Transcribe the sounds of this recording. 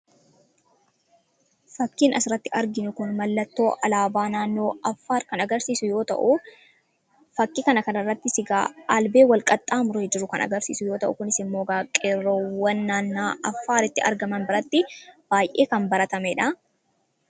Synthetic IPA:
fɐkːiːnɐsɪɾɐt̪ːɪʔɐɾɡɪnʊkʊnmɐlːɐt̪ːo̞ːʔɐlaːbaːnaːnːo̞ːɐfːaːɾkɐnɐɡɐɾsiːsʊjo̞ːt̪ɐ̰ʔʊ | fɐkːɪkɐnɐkɐnɐrːɐt̪ːɪsɪɡa̰ːalbe̞ːwɐlkʼɐt̪ʼːaːmʊɾeːd͡ʒɪɾːʊkɐ̰nɐ̰ɡɐɾsḭːsʊjo̞ːt̪ɐʔʊkʊnɪsɪmːo̞ːɡaːkʼerːowːɐnːaːnːaːɐfːaːɾɪt̪ːɪɐ̰ɾɡɐmɐnbɪɾɐt̪ːɪb̥aːjʔe̞ːkɐmbɐɾɐt̪ɐmɛᶑɐ

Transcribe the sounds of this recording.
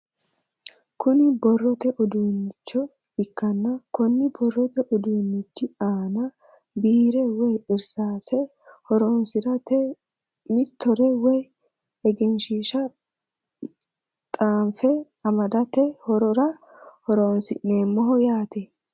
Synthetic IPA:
kʊnɪbɔrːɔt̪ɛʔɔd̪uːnːɪt͡ʃːɔ | ɪkːɐnːɐkʊnːɪbɔrːɔt̪ɛʔɔd̪uːnːɪt͡ʃːɪaːnɐ | biːɾɛwɔjɪɾsaːsɛ | hɔɾɔnsɪɾɐt̪ɛ | mɪt̪ːɔɾɛwɔj | ɛɡɛnʃiːʃɐ | t̪ʼaːɱfɛ | ɐmɐd̪ɐt̪ɛhɔɾɔɾɐ | hɔɾonsɪnːeːmːɔɦɔjaːt̪ɛ

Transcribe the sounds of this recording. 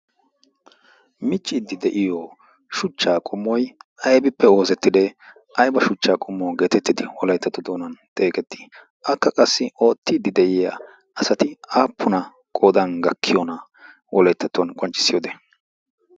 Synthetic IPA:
mɪt͡ʃʼːɪd̪ːɪd̪ɛʔɪjoː | ʃʊt͡ʃːaːkʼʊmːɔjʔɐjbɪpːɛo̞ːzɛt̪ːɪd̪ɛ | ʔɐjbɐʃʊt͡ʃːaːkʼʊmːoːɡe̞ːt̪ɛt̪ːɪd̪ɪwɔlɐjt̪ːɐt̪ːɔd̪oːnɐnt̪ʼe̞ːkʼɛt̪ːɪ̥ | ʔɐkːɐkʼɐsːɪo̞ːt̪ːɪd̪ːɪd̪ɛʔɪja̰ | ʔɐsɐt̪ɪaːpːʊnɐ | kʼoːd̪ɐnɡɐkʰːɪjɔnɐ | wʔɔlɐjt̪ːɐt̪ːɔnkʼɔnt͡ʃʼːɪ̥sɪjoːd̪e

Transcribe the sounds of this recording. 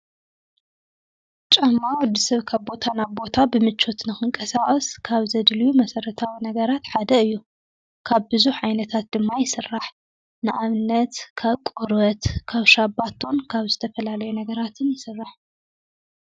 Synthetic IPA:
t͡ʃʼɐmːawɔd̪ɨsɐβkʰaβbo̞t̪ʰanaβbo̞t̪ʰabɨmɨt͡ʃʰːo̞t̪nɨxɨŋkʼɐsaχʼɐskʰaβzɐd̪ljumɐsɐɾɐt̪ʰawinɐɡɐɾat̪ħad̪ɐɨjːu | kʰaβbɨzuħʕajnɐt̪ʰat̪̚d̪ɨmːajɪsɨrːaħ | nɨʔaβɨnːɐt̪kʰaβkʼoɾbɐt̪kʰaβʃabat̪ʰo̞nkʰaβzɨt̪ʰɐfɐlalɐjunɐɡɐɾat̪ʰɨnjɪsɨrːaħ

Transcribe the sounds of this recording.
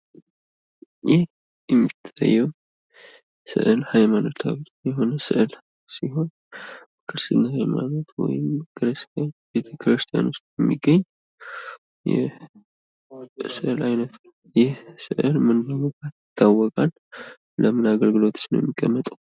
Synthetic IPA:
jɪh | jɛmːit̪ʰːa̰jːɛw | sɨ̰ʔɨlhajmanot̪ʰaβi | jɛɦo̞nəsɨ̰ʔɨl | siɦo̞n | kʰɨɾsɨnhajma̰not̪ʰwɔ̰jɪmkʰɨɾɨst̪ʰjanbe̞t̪ʰəkʰɾɨst̪ʰija̰nʊst̪ʼjɛmːiɡːəɲː | jɛ̰ | sɨʔɨlajnət̪ʰn | jɛhsɨ̰ʔɨlmɨnːawokʼat̪jɪt̪ʰːawːɔkʼal | ləmɨnaɡəlɡɨlo̞t̪snjmːikʼːəmːət̪ʼəw

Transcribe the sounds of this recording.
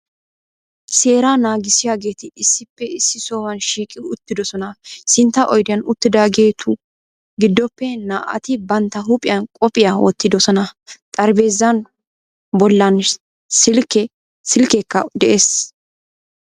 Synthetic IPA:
se̞ːɾanaːɡɪsɪjaːɡe̞ːt̪ɪɪsːɪpːɛɪsːɪso̞ːwɐnʃiːkʼɪʊt̪ːɪd̪ɔsɔnɐsɪnt̪ːɐʔɔjd̪ɪjɐnʊt̪ːɪd̪aːɡe̞ːt̪ʰʊ | ɡɪd̪ːɔpːɛnaːʔɐ̰t̪ɪbɐnt̪ːɐɦʊpʼɪjɐnkʼɔpʼɪjɐwɔ̰t̪ːɪd̪ɔsɔnɐt̪ʼɐɾbe̞ːzːɐn | bɔlːɐn | sɪlkɛ | sɪlkɛkːɐd̪ɛʔeːs

